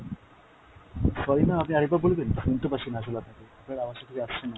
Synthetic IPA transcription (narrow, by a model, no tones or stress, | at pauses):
ʃɔɾinaapniaɾek̚baɾbolbenunt̪opaʃinaʃ̬olat̪ʰakeapnaɾamaɾʃat̪ʰeatɕʰena